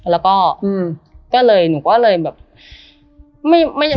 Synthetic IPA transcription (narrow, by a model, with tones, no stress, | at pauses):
lɛː˦˥wkɔː˥˩ʔɯː˧˩mkɔː˥˩lɤː˧jnuː˨˩kɔː˥˩lɤː˧jbɛː˨˩p̚ | ma˥˩jma˥˩ja˧